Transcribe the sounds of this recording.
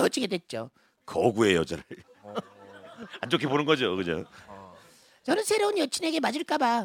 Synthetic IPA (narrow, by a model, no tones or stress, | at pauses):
ʌt͡ɕ͈ʰiɡe̞dwe̞t̚t͡ɕ͈o | kʌɡue̞jod͡ʑʌɾɯɭ | ant͡ɕ͈okʰibonɯnɡʌd͡ʑokɯɲo̰ | t͡ɕʌnɯnsʰe̞ɾʌunjʌt͡ɕʰine̞ɡe̞mad͡ʑɯɭk͈aba